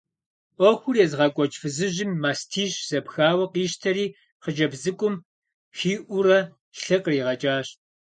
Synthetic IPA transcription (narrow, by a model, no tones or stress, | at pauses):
ʔʷɔxʷʊrjɛzʁɑkʷʼɔt͡ʃʼfɨzɨʑɪmːaːstʰiːɕz̥ɐpxaːwɐqiːɕtʰɐɾiː | qəd͡ʒɐbzɨkʷʼʊm | xiːʔʷʊrɐ | ɬɨqʼriːʁɐt͡ʃʼaːɕ